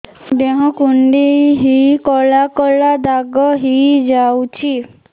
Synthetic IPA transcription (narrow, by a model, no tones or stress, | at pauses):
ɖeɦɔ̃kuɳɖijɦikɔlakɔlad̪aɡɔɦid͡ʒawt͡ʃʰi